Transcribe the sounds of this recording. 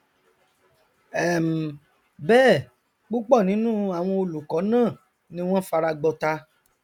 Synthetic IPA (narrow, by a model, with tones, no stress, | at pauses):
ɛ˦˨m̩˨ | bɛː˦˨ | k͡pu˦k͡pɔ˦˨nĩ˨˦nũ˦a˨w̃ɔ̃˧o˧lu˨kɔ˨˦nãː˦˨ | nĩ˧˦w̃ɔ̃˦fa˧ɾa˧ɡ͡bɔ˧ta˧